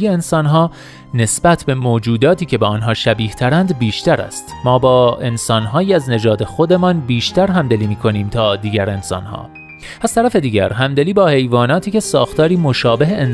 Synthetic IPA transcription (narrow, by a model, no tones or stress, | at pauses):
jeːnsɒːnɦɒː | ne̞sbæt̪ʰbe̞moːd͡ʒuːd̪ɒːt̪ʰiːcʰe̞beːnɦɒːʃæbiːht̪ʰæɾænd̪biːʃt̪æɾæ̰st̪mɒːbɒːe̞nsɒːnɦɒːjiːæzne̞d͡ʒɒːd̪e̞xod̪e̞mɒːnbiːʃt̪æɾɦæmd̪eliːmiːkʰo̞niːmt̪ʰɒːd̪iːɟæɾe̞nsɒ̰ːnhɒ̰ː | æz̥t̪æɾæfe̞d̪iːɟæ̰ɾɦæmd̪eliːbɒːhe̞jvɒːnɒːt̪ʰiːce̞sɒːxt̪ɒːɾiːmoʃɒːbe̞ɦeen